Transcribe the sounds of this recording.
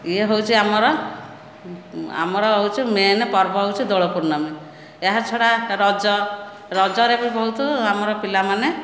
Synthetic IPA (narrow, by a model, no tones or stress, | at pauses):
ieɦowt͡ʃʰiamɔɾɔ | a̰mɔɾɔɦowt͡ʃʰimenepɔɾbɔɦowt͡ʃʰid̪ɔɭɔpuɾnɔme | eɦat͡ʃʰɔɽaɾɔd͡ʒɔ | ɾɔd͡ʒɔɾepɔɾibʱɔɦut̪ɔamɔɾɔpilamane